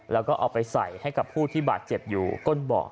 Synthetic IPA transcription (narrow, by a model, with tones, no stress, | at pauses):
lɛː˦˥wkɔː˥˩ʔɔ̰ː˨˩k̚pa˧jsa̰˨˩˦jha˥˩jka˨˩pʰuː˥˩t̪ʰiː˥˩baː˨˩t̪̚t͡ɕe˨˩p̚jṵː˨˩ko˥˩nbɔ̰ː˨˩k̚